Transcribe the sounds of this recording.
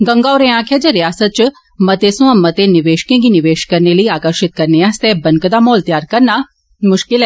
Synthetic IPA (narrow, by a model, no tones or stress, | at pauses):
ɡɐ̃ŋɡaɔɾẽãːkʰjad͡ʒaɾɪjaːsət̪̚t͡ʃ | mɐt̪esũãmɐt̪enɪʋeːʃkẽɡinɪʋeːʃkɐɾneləiaːkəɾʃɪt̪̚kɐɾneast̪eːbɐnkəd̪amoːlt̪jaːɾkɐɾna | mʊʃkɪlɛ